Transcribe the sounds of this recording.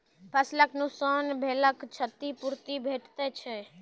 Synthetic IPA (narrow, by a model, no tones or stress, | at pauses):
pʰəsləknusaːnbʱeːləkt͡ʃʰət̪ipuɾt̪ibʱeːʈʰt̪ɛt͡ʃʰɛ